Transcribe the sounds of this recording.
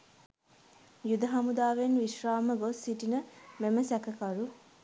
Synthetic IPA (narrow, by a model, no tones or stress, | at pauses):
jud̪əɦɐmud̪aːʋenʋiʃraːməɡosːiʈinəmeməsɛkəkɐɾu